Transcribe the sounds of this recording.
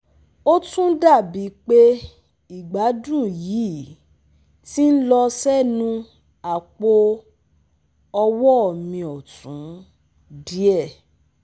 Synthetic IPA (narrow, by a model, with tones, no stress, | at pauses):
o˦tũ˦da˦˨bi˨˦k͡pe˦ | i˨ɡ͡ba˨˦dũ˦˨ji˨˦˨ | ti˦n̩˦lɔ˧sɛ˦nũ˧ | a˨k͡po˧ | ɔ˧wɔ˦ɔ˦˨mĩ˧ɔ˨tũ˨˦ | di˦ɛ˦˨